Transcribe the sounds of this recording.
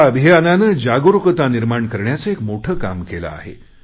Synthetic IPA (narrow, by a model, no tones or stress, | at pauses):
aəbʱijananəːd͡ʑaɡoɾukət̪aniɾmaɳkəɾɳjat͡səekmoʈʰəːka̰mkela̰a̰ɦḛ